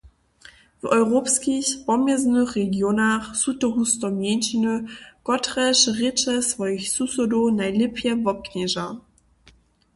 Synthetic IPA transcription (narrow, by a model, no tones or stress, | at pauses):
vɔjʁopskiçpɔmjɛznəχːeɡjonaχsutɔɦustɔmjɛnʃinəkɔtʁɛʃʁɪt͡ʃɛsvɔjɪçsusodonajlɪpʰjɛvɔp̚knɛʒa